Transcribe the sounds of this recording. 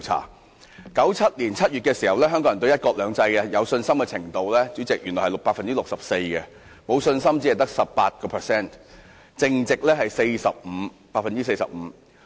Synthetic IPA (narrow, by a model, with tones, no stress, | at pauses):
t͡sʰa̰ː˨˩ | kɐ˨˥wt͡sʰɐ˥t̚liː˨˩nt͡sʰɐ˥t̚jyː˨t̚kɛː˧si˨˩hɐ˨˩wlɛː˥ɦœː˥ŋkɔ˧˥jɐ˨˩t̪wjɐ˥t̚kɔː˧k̚lœː˨˧ŋt͡sɐ˧jkɛ˧jɐ˨˧wsɵ˧nsɐ˥mkɛ˧t͡sʰɪ˨˩ŋt̪o˧wlɛː˥t͡syː˨˥t͡sɪ˨k̚jyː˨˩nlɔː˨˩hɐ˨jlk̚paː˧fɐ˨nt͡si˥lʊ˨ksɐ˨p̚se˧jkɛ˧ | mo˨˧wsɵ˧nsɐ˥mt͡si˨˥ɐ˨˩t̪ɐ˥k̚sɐ˨p̚paː˧t̚kɔː˧pʰɛː˨˩sɛː˥˩n | t͡sɪ˧ŋt͡sɪ˨k̚lɛː˥ɦɐ˨jse˧jsɐ˨p̚m̩˨˧ | paː˧t̚fɐ˨nt͡si˥s̬e˧jsɐ̰˨p̚m̩ː˨˧˦